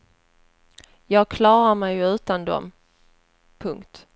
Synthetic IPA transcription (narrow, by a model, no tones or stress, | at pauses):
jɑːɡ̚kʰlɑːɾaɾmɛjʉ̟ːt̪and̪ɔ̰m | pʰɵŋkt̪